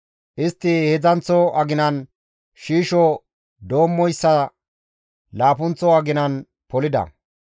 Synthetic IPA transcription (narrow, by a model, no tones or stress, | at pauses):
ʔɪst̪ːɪhɛd͡zɐnt͡sːɔʔɐɡɪnɐn | ʃiːʃɔ | d̪o̞ːmːɔjsːɐ | laːpʊnt͡sːɔɐɡɪnɐn | pɔlɪd̪ɐ̰